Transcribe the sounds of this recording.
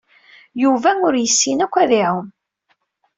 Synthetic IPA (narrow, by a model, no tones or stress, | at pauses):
juvæʊɾjəsːinækʷːæðiʕum